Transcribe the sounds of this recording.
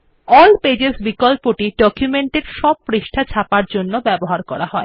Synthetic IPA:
ɔlped͡ʑesbikɔlpoʈiɖɔkjumeɳʈeɾʃɔb̚pɾiʃʈʰat͡ɕʰapaɾd͡ʑonːobɛboɦaɾkɔɾaɦɔe

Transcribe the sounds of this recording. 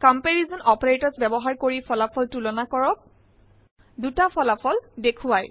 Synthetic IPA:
kɔmpeɹizɔnɔpɔɹetɔzbɛbɔɦaɹkoɹipʰɔlapʰɔltulɔnakɔɹɔk̚ | dutapʰɔlapʰɔldekʰuaj

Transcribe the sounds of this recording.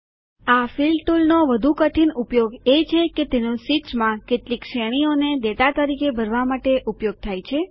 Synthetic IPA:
afilʈulnoʋəd̪ʱukəʈʰinupjoɡet͡ʃʰeket̪enosit͡ʃmãkeʈlikʃeɽ̃ioned̪et̪at̪əɾikebʱəɾʋamaʈeʔupjoɡ̚t̪ʰajt͡ʃʰe

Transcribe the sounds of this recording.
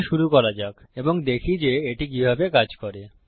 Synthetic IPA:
ʃuɾukɔɾad͡ʑak | eboŋd̪ekʰid͡ʑeeʈik̬ibʱabekad͡ʑkɔɾe

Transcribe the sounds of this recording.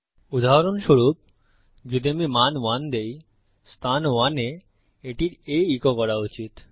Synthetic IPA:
ud̪aɦaɾonʃoɾup̚ | d͡ʑud̪emimanwand̪ej | st̪ʰanwane | eʈiɾejikokɔɾaut͡ɕit̪

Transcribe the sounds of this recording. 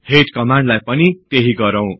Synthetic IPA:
heʈkʌmaɳɖlajpʌnit̪eɦiɡʌɾʌw̃

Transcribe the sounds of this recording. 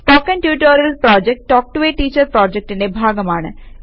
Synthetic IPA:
pɔːkɐnʈjuːʈoːɾɐlpɾɔːd͡ʒek̚ʈʈɔːk̚ʈuʋeːʈiːt͡ʃɐɾpɾaːd͡ʒek̚ʈinebʱaːɡɐmaːɳɨ̰

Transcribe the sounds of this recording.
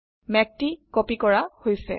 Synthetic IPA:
mɛk̚tikopikɔɹahojsɛ̰

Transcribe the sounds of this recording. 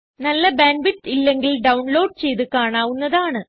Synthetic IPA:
nɐlːɐbaːnbiʈːilːe̞ŋɡilɖɐwɳlo̞ːɖ̚t͡ɕe̞jt̪ɨkaːɳaːʋunːɐðaːɳɨ

